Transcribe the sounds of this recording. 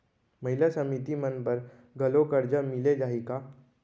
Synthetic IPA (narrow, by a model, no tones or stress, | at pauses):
mɐɦɪlasəmit̪imənpəɾ | ɡɐlokəɾd͡ʒəmɪled͡ʒaːɦika